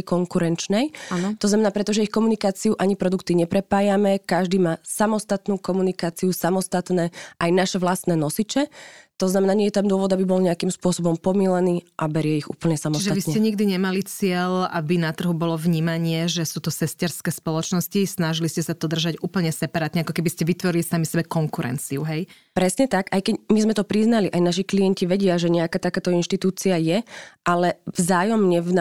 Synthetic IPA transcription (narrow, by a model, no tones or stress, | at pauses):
kɔŋkuɾɛnt͡ʃnɛjat̪ɔznamɛnaːpɾɛt̪ɔʒɛixkɔmunikaːt͡siuʔaɲipɾɔd̪ukt̪iɲɛpɾɛpaːjamɛkaʒd̪iːmaːsamɔst̪at̪nuːkɔmunikaːt͡siusamɔst̪at̪nɛːʔajnaʃɛʋlast̪nɛːnɔsit͡ʃɛt̪ɔznamɛnaːɲɪɛjɛt̪amd̪ʊɔʋɔd̪abibɔlɲɛakimspʊɔsɔbɔmpɔmilɛniːʔabɛɾɪɛiɣṵːpl̩ɲɛsamɔsʒɛatʋisɲɛcɛɲiɡd̪iɲɛmalit͡sɪɛlabinat̪r̩ɦubɔlɔvɲiːmaɲɪɛʒɛsuːt̪ɔsɛscɛɾskɛːspɔlɔt͡ʃnɔscisnaʒiliscɛsad̪ɔd̪r̩ʒaɟuːpl̩ɲɛsɛpaɾaːt̪ɲɛakɔkɛbiscɛʋit̪ʋɔɾilisamisɛbɛkɔŋkuɾɛ̰nt͡siuɦɛj | pɾɛsɲɛt̪akajkɛɟmizmɛt̪ɔpɾiznaliʔajnaʃiklijɛnciʋɛɟɪaʒɛɲɛakaːt̪akaːt̪ɔinʃt̪it̪uːt͡siajɛʔalɛvzaːjɔmɲɛvn